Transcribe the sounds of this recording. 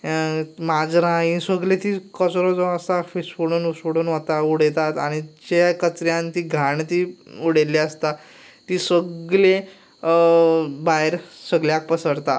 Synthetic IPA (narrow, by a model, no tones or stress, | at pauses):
mad͡zɾãĩsəɡlet̪iːkət͡sɾɔd͡zɔəsafisfuɽuːnsuɽuːnɦot̪auɽet̪at̪aɽ̃id͡ʑkət͡sɾjãnt̪iːɡʱaɳt̪iːuɽeliəst̪a | t̪iːsəɡle | baɦeɾsəɡljak̚pəsəɽt̪a